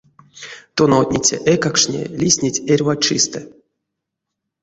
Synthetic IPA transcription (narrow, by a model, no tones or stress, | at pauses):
t̪onat̪̚ʲnʲit͡sʲa̰ʔɛkakʂnʲḛlʲisʲnʲitʲerʲvat͡ʃist̪ɨ